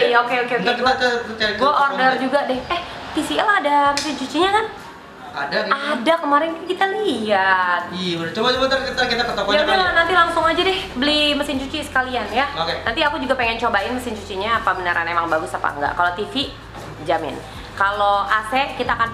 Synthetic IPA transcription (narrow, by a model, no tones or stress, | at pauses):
iaokeokeokkakɡuaʔordərd͡ʒuɡadɛhɛh | t̪isiɛladaməsɪnt͡ʃut͡ʃiɲakan | adaadakəmaɾɪnkkit̪aliat̪̚iaət͡ʃobad͡ʒobat̪akət̪akit̪akət̪okɔjaudɛlanant̪ilaŋsʊŋad͡ʒadɛhbəliməsɪnt͡ʃut͡ʃisə̥kalianjaokenant̪iakud͡ʒuɡapeŋɛnt͡ʃobaɪnməsɪnt͡ʃut͡ʃiɲapabənəɾʔa̰nemaŋbaɡʊsapa̰ŋɡa̰ʔkalot̪ifi | d͡ʒamɪ̰n | kaloasɛʔkit̪aːkan